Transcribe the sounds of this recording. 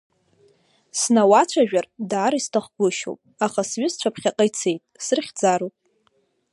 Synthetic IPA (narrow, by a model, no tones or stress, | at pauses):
snawat͡ʃʷʰaʒᶣardaːɾistʰaχɡʷʊʃo̰wpʼaχasɥɪst͡ʃʷʰapʰχʲaqʼajt͡sʰe̞jtʼsɨrχʲd͡zaɾowpʼ